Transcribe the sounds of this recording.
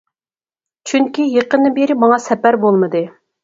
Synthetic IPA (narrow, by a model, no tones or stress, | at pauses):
t͡ʃʰyŋkʲijeqənd̪ɨnbeɾɪmɑŋɑsɛpæɾbolˠmɨd̪ɨ